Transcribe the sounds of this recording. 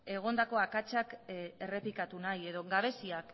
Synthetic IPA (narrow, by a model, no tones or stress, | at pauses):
e̞ɣ̞o̞nd̪ako̞akat͡ʃake̞re̞plikat̪unaje̞ðo̞ɡaβ̞e̞siak